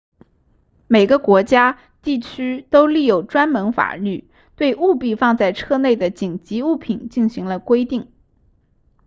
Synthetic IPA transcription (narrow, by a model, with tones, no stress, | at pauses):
me˨˩ɪɡə˦kwɔ˧˥t͡ɕja˥ | t̪i˥˩t͡ɕʰy˥t̪o˥ʊli˥˩jo˥˩ʊʈ͡ʂwa˥nmə˧˥nfa̰˨˩ly˥˩ | t̪we˥˧ɪʔu˥˧pi˥˧fɑ˥˧ŋt͡sa˥˧ɪʈ͡ʂʰɤ˥˧ne˥˩ɪd̪ə˩t͡ɕi˨˩ŋt͡ɕi˧˥u˥˩pʰi˨˩nt͡ɕi˥˩nɕi˧˥ŋlə˧kwe˥ɪt̪i˥˩ŋ